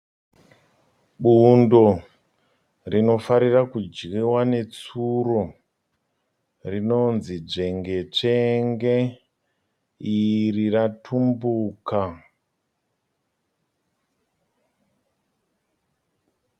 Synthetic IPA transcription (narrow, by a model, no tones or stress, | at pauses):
ɓundo̞ | rino̞faɾirakud͡ʒɣiwane̞t͡suro̞ | rino̞nzid͡ʐe̞ŋɡe̞t͡ʂeŋɡe | iriratʰumbuːka